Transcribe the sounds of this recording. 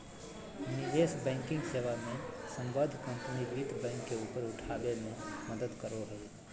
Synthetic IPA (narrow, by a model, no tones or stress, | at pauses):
nɪd̪eːsbɛ̃ːŋkɪ̃ŋɡseːʋamẽsə̃mbəd̪ʱkə̃mpənid͡ʒit̪bɛ̃ːŋkːeuːpəɾʊʈʰaːbemẽməd̪əd̪kəɾoɾəe